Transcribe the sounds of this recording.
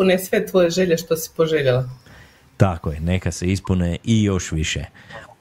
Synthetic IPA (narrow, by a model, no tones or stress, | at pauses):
unesʋet̪ʋo̞jeʒeʎeʃt̪osi̥poʒeʎela | t̪akojene̞kaseispuneʔijo̞ʃʋiʃḛ